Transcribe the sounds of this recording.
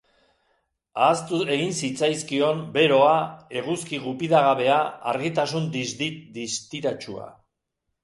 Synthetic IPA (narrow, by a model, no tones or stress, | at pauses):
aːst̪ue̞ɣinsit͡sajskio̞mbe̞ɾo̞ae̞ɣuskiɣupiðaɣaβe̞aaɾɣit̪asund̪izd̪id̪ist̪iɾat͡ʃua̰